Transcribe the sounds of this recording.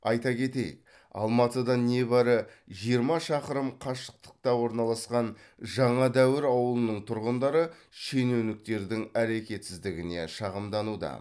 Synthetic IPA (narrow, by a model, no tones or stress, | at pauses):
ɑjt̪ɑkʲʰe̞t̪ejɪ̰k̚ | ɑ̰lˠmɑt̪əd̪ɑne̞bɑɾə | ʒijəɾmɑʃɑqəɾəmqʰɑʃə̥q̚t̪ə̥q̚t̪ɑwo̞ɾnɑlˠɑsqɑn | ʒɑɴɑd̪æwɪɾɑwəlˠənəɴt̪ʰʊɾʁənd̪ɑɾə | ʃe̞newnɪk̚t̪e̞ɾd̪ɪŋæɾe̞kʲe̞t̪sɪzd̪ɪɡʲɪne̞̰ʃɑʁəmd̪ɑnud̪ɑ̰